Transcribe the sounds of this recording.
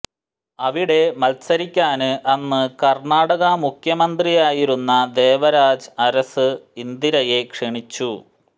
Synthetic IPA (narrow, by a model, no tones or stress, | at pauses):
ɐʋiɽe̞mɐlsɐɾikʲːaːnɨʔɐnːɨkɐrɳaːɽɐɣɐmukʰjɐmɐnd̪rijaːjiɾunːɐd̪e̞ːʋɐɾaːd͡ʑɐɾɐsɨind̪iɾɐje̞kʂiɳit͡ɕːu